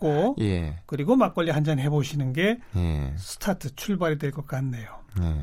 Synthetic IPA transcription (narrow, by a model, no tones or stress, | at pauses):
k͈ojḛkɯɾiɡomak͈ʌʎːiɦand͡ʑanɦe̞boɕʰinɯnɡe̞jḛsʰɯ̥tʰatʰɯt͡ɕʰuɭbaɾidwe̞ɭk͈ʌk̚k͈anːejone